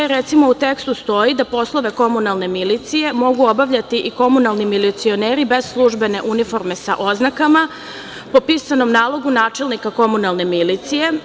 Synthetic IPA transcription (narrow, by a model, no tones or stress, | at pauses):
ɾe̞t̪simo̞ut̪e̞kst̪ust̪o̞jid̪apo̞slˠo̞ʋe̞ko̞munalˠne̞milit̪sije̞mo̞ɡuo̞baʋʎat̪iʔiko̞munalˠnimilit̪sio̞neːɾibe̞zslˠuʒbe̞ne̞ʔunifo̞ɾme̞sa̰ʔo̞znakama | po̞piːsano̞mnaːlˠo̞ɡunaːt͡ʃe̞lnikako̞munalˠne̞milit̪sije̞